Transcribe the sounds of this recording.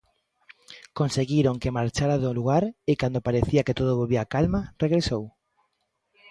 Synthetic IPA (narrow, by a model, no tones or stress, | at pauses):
konseɣiɾoŋkemaɾt͡ʃaɾaðoluɣaɾɪkand̪opaɾeθiaket̪oðoβoβiakalmareɣɾesow